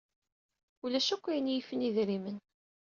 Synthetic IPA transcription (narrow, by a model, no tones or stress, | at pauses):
ulæʃækʷːæjənjifəniðiɾimən